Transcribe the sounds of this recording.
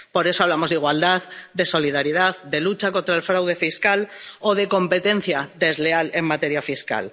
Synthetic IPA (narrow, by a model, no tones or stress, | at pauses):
po̞ɾe̞soaβlamo̞zðiɣwald̪aðd̪e̞so̞liðaɾiðaðd̪e̞lut͡ʃako̞nt̪ɾaelfɾawð̞e̞fiskaloðe̞ko̞mpe̞t̪e̞n̟θjaðe̞zle̞ale̞mːat̪e̞ɾjafiska̰l